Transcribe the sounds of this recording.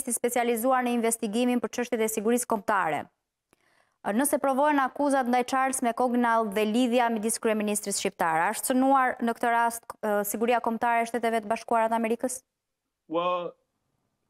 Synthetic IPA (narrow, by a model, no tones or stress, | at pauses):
st̪ispɛt͡sializuaɾnəinvɛst̪iɡiminpəɾt͡ʃəʃt̪jɛt̪ɛsiɡuɾiskɔmt̪aɾɛ̰ | nəsɛpɾɔvɔjnakuzat̪nd̪ajt͡ʃaɾsmɛkɔɡnalˠðɛliðjamid̪iskɾyɛminist̪ɾisʃtip̚t̪aɾɛaʃt̪sənuaɾnəkt̪əɾast̪siɡuɾiakɔmt̪aɾɛʃt̪ɛt̪ɛvɛt̪əbaʃkuaɾat̪əamɛɾikəs | wa